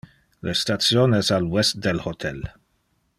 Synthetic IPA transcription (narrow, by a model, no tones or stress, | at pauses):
lest̪at̪sjoːnɛsalwɛst̪̚d̪elhot̪ʰɛl